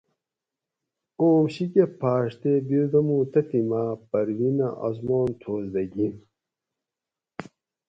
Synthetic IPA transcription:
oːmɕikepʰaːʂt̪ebid̪ɐmut̪ɐt̪imapɐɾwinɐʔɐ̰zmoːnt̪ʰoːzd̪ɐɡin

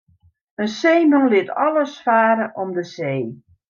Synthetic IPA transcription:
ənseːmɔŋlɪətɔləsfaːɾəʔɔmdəseː

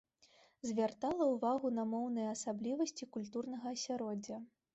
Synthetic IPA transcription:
zʲvʲart̪alˠɐuvaɣunɐmɔwnɨjɐɐsablʲivɐsʲt͡sʲikulʲt̪urnɐɣɐːsʲaɾɔd͡zʲːɐ

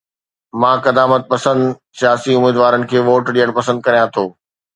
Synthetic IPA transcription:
mãːkɐd̪aːmət̪̚pɐsə̃nd̪ | sijaːsiʊmiːd̪ʋaːɾənɪ̆kʰeːʋoːʈɗijəɽ̃pɐsə̃nd̪̚kɐɾijãt̪ʰoː

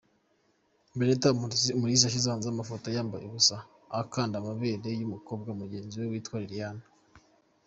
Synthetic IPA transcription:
mbenetamuɾis̬aʃ̬izaːnzamafotojaːmba̰jeβusaː | kaːndamaβeɾe̞jumuko̞ːbɡaumuɟe̞ːnziwewiːtwaːɾiɾijana

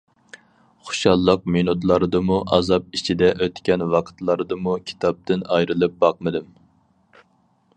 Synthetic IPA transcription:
χo̥ʃɑlˠːəq̚menut̪lˠɑɾɨd̪ɨmuʔɑ̰zɑp̚it͡ʃʰid̪ɛʔøt̪kʲɛnwɑqʰə̥t̪lˠɑɾɨd̪ɨmukʲʰi̥t̪ʰɑp̚t̪ɪnɑjɾɨlˠɨp̚bɑq̚mɨd̪ɨm

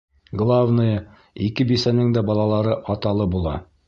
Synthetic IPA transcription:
ɡlˠavnɤjɤ | ikɘbisænɘŋd̪æbɒlˠɑlˠɑɾɤʔɒt̪ɑlˠɤbulˠɑ̰

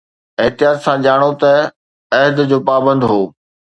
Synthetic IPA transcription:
ɪɦt̪ɪjaːt̪sãʄaːɽ̃ot̪ɐ | ɐɦɪd̪d͡ʑoːpaːbə̃nd̪ɦoː

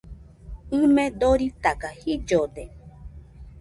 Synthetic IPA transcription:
ɨmẽd̪oɾit̪akahid͡ʒod̪e

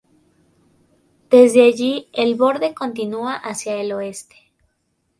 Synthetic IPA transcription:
d̪̥e̞zðe̞aʝielβo̞ɾðe̞ko̞nt̪inuaʔasjaeloe̞st̪e̥

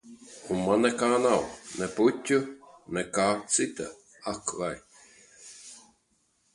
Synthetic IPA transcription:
unmanːɛkaːnawnɛput̪ʲːunɛkaːsɨt̪a̰ | akvaj

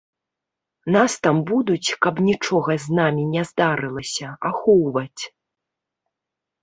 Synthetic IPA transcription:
nast̪ambud̪ut͡sʲkɐpnʲit͡ʂɔɣɐznamʲinʲɛzd̪aɾɨlˠɐsʲɐaxɔwvɐt͡sʲ

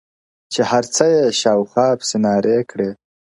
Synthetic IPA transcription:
t͡ʃehaɾt͡səjeʃɑwxɑpsɪnɑɾʔekɽe

